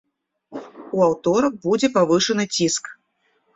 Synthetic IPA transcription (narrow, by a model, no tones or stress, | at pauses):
uawt̪ɔɾɐk̚bud͡zʲɛpavɨʂɐnɨt͡sʲisk